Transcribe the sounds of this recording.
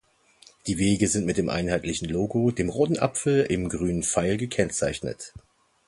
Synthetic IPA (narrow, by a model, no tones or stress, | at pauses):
d̥iːveːɡəzɪntmɪt̚d̥eːmʔa̰ɪnɦaɪtʰlɪçn̩loːɡodeːmʁoːtn̩ʔa̰pfl̩ɪmɡʁyːnənfaɪlɡəkʰɛnt͡saɪçnə̰t